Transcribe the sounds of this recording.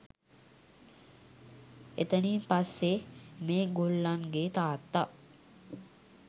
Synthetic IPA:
et̪əniːmpasːemeːɡulːaŋɡet̪aːt̪ːa

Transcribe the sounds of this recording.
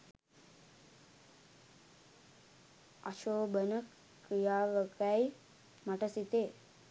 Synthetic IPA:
aʃoːbənəkː | ɾijaːʋəkaj | maʈəsit̪eː

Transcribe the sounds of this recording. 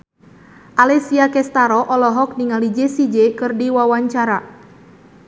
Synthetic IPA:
ʔalɛsiakɛst̪aɾɔʔɔlɔɦɔk̚niŋalid͡ʒesid͡ʒekɨrdiwawaɲt͡ʃaɾa

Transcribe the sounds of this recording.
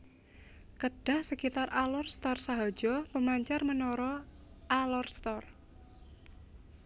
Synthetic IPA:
kəɖ̥ahsəkit̪arʔalɔrst̪ɔrsaɦɔ̥d͡ʒ̥ɔpəmaɲt͡ʃarmənɔɾɔ | ʔalɔrst̪ɔr

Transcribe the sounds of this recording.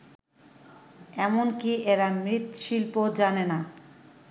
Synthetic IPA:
ɛmonkiʔeɾamɾit̪ʃilpod͡ʑanena

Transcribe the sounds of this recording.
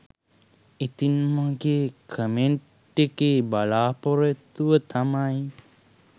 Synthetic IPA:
it̪inməɡeːkʰəmeɳ | ekeːbalaːpoɾet̪uʋət̪ʰamaj

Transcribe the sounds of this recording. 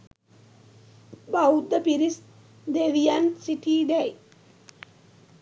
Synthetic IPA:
baud̪əpiɾis | d̪eʋijansiʈiːd̪ɛj

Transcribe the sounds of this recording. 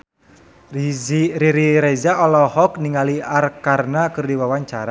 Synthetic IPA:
riɾiɾɛzaɔlɔhɔk̚niŋaliarkarnakɨrdiwawaɲt͡ʃaɾa

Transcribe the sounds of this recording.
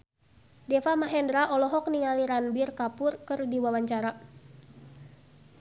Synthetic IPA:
dɛfamaɦɛndɾaʔɔlɔɦɔk̚niŋaliɾanbirkapʊrkɨrdiwawaɲt͡ʃaɾa

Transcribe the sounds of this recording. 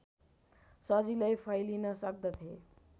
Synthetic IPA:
sʌd͡zilajpʰʌjlinʌsʌk̚d̪ʌt̪ʰe

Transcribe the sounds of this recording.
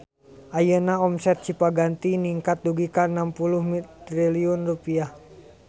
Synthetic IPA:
ʔajənaɔmsɛt̪̚t͡ʃipaɡant̪iniŋkat̪̚duɡikanampuluhmitt̪ɾiliɔnrupiah

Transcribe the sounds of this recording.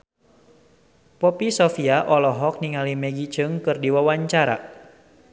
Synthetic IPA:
pɔpisɔfiaʔɔlɔɦɔk̚niŋalimɛɡit͡ʃɨŋkɨrdiwawaɲt͡ʃaɾa̰

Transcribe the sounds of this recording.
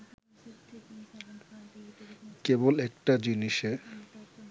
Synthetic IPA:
kebolɛkʈad͡ʑiniʃe

